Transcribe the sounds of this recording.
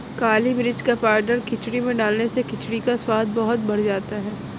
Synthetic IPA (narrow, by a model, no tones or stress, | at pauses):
kaːlimɾɪd͡ʒkapaːɾɖəɾkɪt͡ʃɽimẽɖaːlnesekɪt͡ʃɽikaswaːd̪̚bɐɦʊt̪̚bɐɽd͡ʒaːt̪aɦɛː